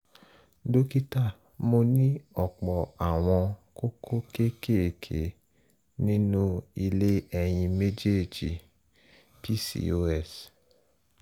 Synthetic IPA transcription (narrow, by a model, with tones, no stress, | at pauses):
do˦ki˦ta˦˨ | mo˧nĩ˦ɔ˦˨k͡pɔ˨a˨w̃ɔ̃˧ko˦ko˦ke˦ke˦e˨kʰe˨˦ | nĩ˦nũ˦i˧le˦ɛ˧j̃ĩ˧me˦d͡ʒe˦˨d͡ʒi˨ | pi˦sḭ˦o˦ɛ˦˨s